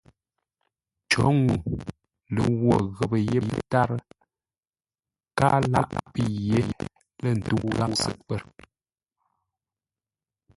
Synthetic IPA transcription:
t͡ʃɔ˨˦ŋu˨ | lə̰˨ɣwɔ˨ɣə˨pə˨je˦je˦ta˦ɾə˦ | kaː˦la̰˦ʔpə˦je˨˦ | lə˦˨n̩˨tu˦ɣa˦sə̰˨t̚pə˦˨ɾ

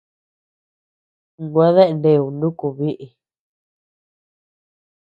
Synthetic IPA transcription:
ɡwã˦ðe˦ʔnde˧˨u˨nũ˦ku˧˨βi˦ʔi˨

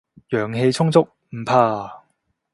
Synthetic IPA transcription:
jœː˨˩ŋɦe˧jt͡sʰʊ˥ŋt͡sʊ˥k̚m̩˨˩pʰaː˧

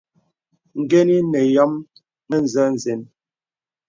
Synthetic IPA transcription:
ŋ̩˨ɡe˦ni˦nɛ˨jɔ˦m | mɛ˦n̩˨zɛ˦n̩˨ze˨n

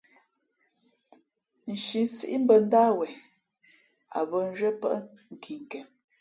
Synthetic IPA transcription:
n̩˨ʃi˨nsi˦ʔi˦m̩˦bə˨n̩˦da˦wɛ˨ | a̰˨bə˦n̩˦d͡ʒɥə˦pə̰˦ʔŋ̩˨kʰi˨ŋ˨kɛ˨m

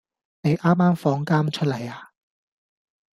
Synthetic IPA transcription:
ne˨˧jʔaː˥mːaː˥mfɔː˧ŋkaː˥mt͡ʃʰɵ˥t̚lɐ˨˩jaː˨˧

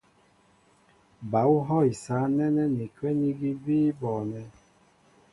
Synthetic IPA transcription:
ba˨˦u˦ɦɔ˦i˨saː˨˦nɛ˦nɛ˦ne˨kɛ˦ni˦ɡi˦biː˦bɔː˨nɛ˧

